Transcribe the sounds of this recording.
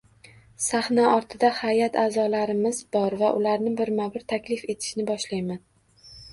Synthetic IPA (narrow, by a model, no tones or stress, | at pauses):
sahnaʔɒɾt̪ʰɪd̪ahajat̪ʰaːzɒlaɾɪmɪzbɒɾvaʔʊlaɾnɪbɪɾmabɪɾt̪ʰakʲlɪfe̞t̪ʰɪ̥ʃnɪbɒʃlajman